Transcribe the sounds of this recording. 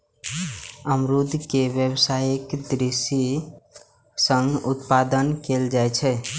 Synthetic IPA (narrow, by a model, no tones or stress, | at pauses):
əmɾud̪ʱkeʋjəbsajekd̪ɾisi | sə̃ŋɡut̪pad̪ənkeld͡ʒajt͡ʃʰɛ